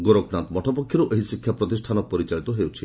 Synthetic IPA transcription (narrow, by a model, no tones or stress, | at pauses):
ɡoɾoknant̪mɔʈʰɔpɔkʰjɔɾuʔeɦisikʰjapɾɔt̪isʈʰanɔk̚pɔɾit͡ʃaɭit̪ɔɦewt͡ʃʰi